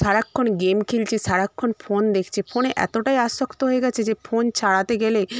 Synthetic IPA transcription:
ʃaɾakʰːonɡemkʰilt͡ɕʰiʃaɽakʰːonfond̪ekʰt͡ɕʰefʰoneʔɛ̰t̪oʈajaʃokt̪oɦoeɡɛt͡ɕʰed͡ʑefont͡ɕʰaɽat̪eɡele

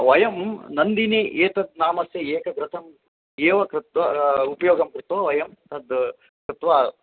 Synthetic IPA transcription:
ʋɐjɐmnɐnd̪iniʔeːt̪ɐd̪̚naːmɐsjɐeːkɐɡɾɐt̪ʰɐm | eːʋɐkɾɪt̪ʋɐupɐjoːɡɐmkɾɪt̪ʋɐʋɐjɐmt̪ɐd̪ | kɾɪt̪ʋaː

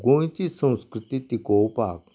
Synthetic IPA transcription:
ɡõt͡ɕisə̃w̃skɾɪt̪it̪ikowpaːk

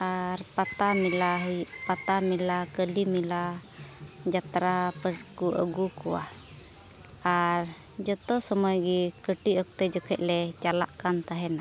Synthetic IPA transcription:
aɾpat̪amilaɦpat̪amilakəlimila | d͡ʒat̪ɾapəɾkuə̰ɡukua̰ | aɾ | d͡ʒɔt̪ɔsɔmɔjɡikəʈiɔk̚t̪ɛd͡ʒɔkʰɛʔ̚lɛt͡ʃala̰ʔkant̪aɦɛna

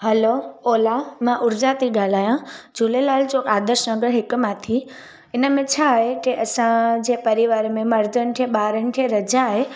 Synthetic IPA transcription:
ɦɐlooːlamãʔʊɾd͡ʑat̪ʰiɡaːl̤aːjãd͡ʑʊlelaːld͡ʑokaːd̪əɾʃnəɡəɾɦɪkmãt̪ʰi | ɪnəmẽt͡ɕʰaːɦekeʔɐsãd͡ʑẽːpɐɾiʋaːɾmẽmɐɾd̪ʱən̆k̪ʰẽɓaːɾənɪk̪ʰieɾɐd͡ʑãɦe

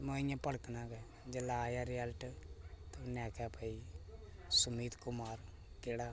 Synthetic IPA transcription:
mõɪjãːpəɽknãːɡɛ | d͡ʒəlaːjaːɾɪəlʈt̪onɛːkaːpəiː | sʊmiːt̪kʊmaːɾ | keːɽaː

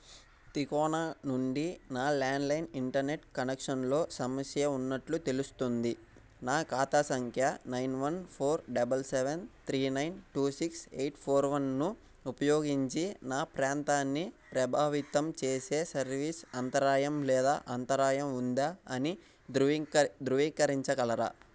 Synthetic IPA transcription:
t̪ikɔːnaːnuɳɖinaːlaːɳɖlɐjniɳʈɐɾne̞ʈkɐnekʂɐnlo̞ːsɐmɐsjɐunːɐʈlut̪e̞lust̪und̪i | naːkaːt̪aːsɐŋkʰjɐnɐjnʋɐnpʰoːɾɖɐbɐlseʋent̪ʰɾiːnɐjnʈuːsiksejʈpʰoːɾʋɐnːu | upɐjoːɡiɲt͡ʃinaːpɾaːnt̪aːnːipɾɐbʱaːʋit̪ɐmt͡ʃe̞ːse̞ːsɐɾʋiːsɐnt̪ɐɾaːjɐmlɛːd̪a̰ːʔɐnt̪ɐɾaːjɐmund̪aːɐni | d̪d̪ɾuʋiːkɐɾiɲt͡ʃɐɡɐlɐɾɐ̰

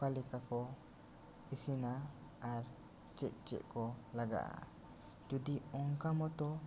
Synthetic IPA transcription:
kalikakɔ | isinaː | ɾ | t͡ʃɛʔ̚t͡ʃɛ̰ʔkɔlaɡa̰ʔa̰ | d͡ʒudiɔŋkamɔt̪ɔ

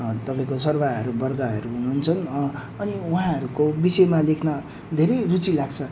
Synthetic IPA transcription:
t̪ʌpaĩkosʌrbaʌɾubʌrɡaɦʌɾuɦunuɦːnt͡sʰʌn | ʌniuɦãɦʌɾukobisʌjmalekʰnʌ | d̪ʱeɾʌjrut͡silaɡt͡sʰʌ

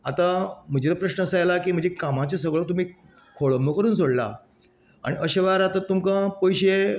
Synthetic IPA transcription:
at̪ãm̤əd͡ʑet̪apɾəɕnəːsəjelakiːm̤əd͡ʑekamat͡ɕas̬əʋɭt̪um̤iː | kʰoɭəmbʱəkəɾuːnt͡soɽla̰ | a̰ɽ̃iʔəɕeʋaɾat̪ət̪ːumkãpəjɕe

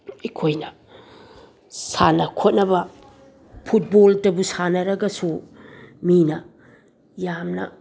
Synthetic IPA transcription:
ikʰojnɐ | sanɐkʰot̚nɐbɐ | pʰut̚boltɐbusanɐɾɐɡɐsu | minɐ | jamnɐ̰

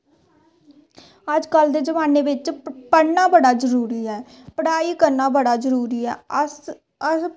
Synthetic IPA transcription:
əd͡ʒkəld̪eːd͡ʒəmaːnːeːʋɪt͡ʃpəɽnaːbəɽaːzəɾuːɾiːɛː | pəɽaːiːkəɾnaːbəɽaːzəɾuːɾiːɛ̰ː | ə

